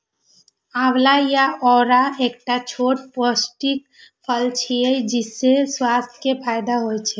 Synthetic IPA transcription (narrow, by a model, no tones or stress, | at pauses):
awlajaɔɾaekʈat͡ʃʰoʈposʈik̚ | pʰəlt͡ʃʰiəjd͡ʒisːeswast̪ʰkepʰaɪd̪aɦojt͡ʃʰɛ